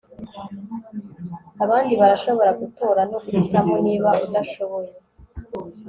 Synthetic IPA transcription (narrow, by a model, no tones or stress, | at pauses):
aβaːndiβaɾaʃo̞βo̞ɾaɡutoːɾanokuɾikamoniːβaudaʃo̞βo̞je